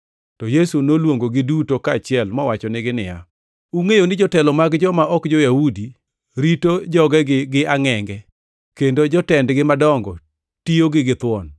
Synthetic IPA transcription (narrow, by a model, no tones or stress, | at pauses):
tɔjesunolwoŋɡoɡɪdutokaːt͡ʃɪɛlmɔwat͡ʃɔnɪɡɪnɪja̰ | uŋejonɪd͡ʒɔtɛlɔmaɡd͡ʒɔmaʔɔkd͡ʒɔjahudi | ɾitod͡ʒɔɡɛɡɡɪaŋɛŋɡɛ | kendod͡ʒɔtɛndɡɪmadɔŋɡɔ | tioɡɪɡɪt̪wɔn